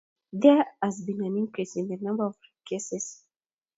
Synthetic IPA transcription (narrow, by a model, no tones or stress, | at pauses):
dɛazbĩnãnĩŋkɹisĩndənãmbəɔfkeses